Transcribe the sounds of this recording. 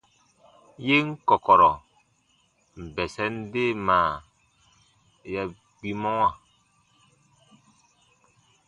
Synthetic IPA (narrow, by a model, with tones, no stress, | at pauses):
je˦ŋ̩˦kɔ˨kɔ˨ɾɔ˨ | m̩˨bɛ˨sɛ˦n˦de˦˨maː˨ | jɛ˦ | ɡ͡bi˦mɔ˦ŋa˦˨